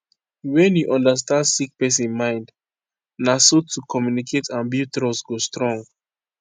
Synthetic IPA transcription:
wɛ̃njuʔɔ̃ndəs̬tãndsik̚pɛs̬nmãɪ̃nd | nasotʰukʰɔmjunikʰetʰãnbitɾɔsɡostɹɔ̃ŋɡ

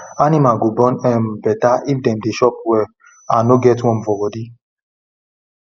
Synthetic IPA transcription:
animaɡobɔ̃nɛmbɛtaʔifdɛ̃mdeʃɔp̚wɛ | anoɡɛtwɔ̃mfɔbɔdi

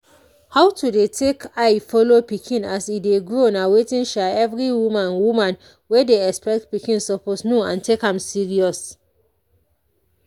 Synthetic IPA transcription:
hawtudetʰekaɪfɔlopikʰĩnasideɡɹoɔ̃nawetĩnʃaɛvɹiwũmãnwumãn | wedeɛkspɛk̚t̚pikĩnsɔposnoã̰ntekãmsiɹiɔs

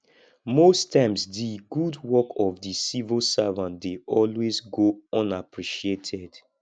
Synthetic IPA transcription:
mostʰãɪ̃msdiɡudwɔkʰɔvdisivilsavãntdeɔlwezɡoɔ̃napʰɹiʃietʰɛd̥

